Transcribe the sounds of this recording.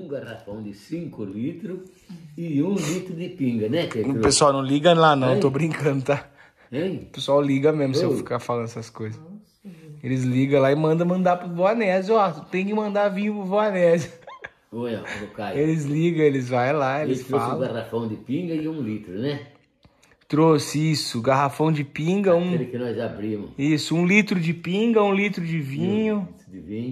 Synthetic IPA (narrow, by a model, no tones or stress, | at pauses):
ũɡarafɐ̃w̃d̪ɪsĩŋkʊlit̪ɾʊ | ɪũlit̪ɾʊd̪ɪpĩŋɡɐnɛtẽpesuawnɐ̃w̃liɡɐlanɐ̃w̃t̪obɾĩkɐ̃nd̪ʊt̪a | ẽjpesuawliɡɐmezmʊsseefi̥kafalɐ̃nd̪ɛsɐskojzɐs | elɪzliɡɐ̃laɪmɐ̃nd̪ɐ̃mɐ̃nd̪aɾpɾʊvoanɛzɔt̪ẽj̃kɪmɐ̃nd̪aɾvĩɲʊpɾʊvoanɛz | oɛlokaelɪzliɡɐ̃elɪzvajlaelɪst̪ɾoasl̃l̃ɡaɾafɐ̃w̃d͡ʒɪpĩŋɡɐɪũlit̪ɾʊnɛ | t̪ɾosɪisʊɡaɦafɐ̃w̃d͡ʒɪpĩŋɡɐũɾɐkɪnɔzabɾĩmʊ̰sisʊũlit̪ɾʊd͡ʒɪpĩɡɐũlit̪ɾʊd͡ʒɪvĩɲʊ | d͡ʒɪvĩɲ